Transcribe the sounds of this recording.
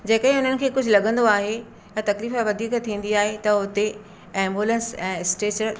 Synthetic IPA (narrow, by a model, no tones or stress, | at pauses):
d͡ʑeːkəĩɦʊn̤ənɪ̆kʰeːkʊd͡ʑʱʊlɐɡə̃nd̪oaːɦe | t̪ɐt̪ɐkliːfaʋɐd̪ʱiːkt̪ʰːĩːn̆d̪iaːɦet̪ɐʊt̪e | ɛ̃ːmbuːlə̃nsɛ̃ːɪsʈeːt͡ɕəɾ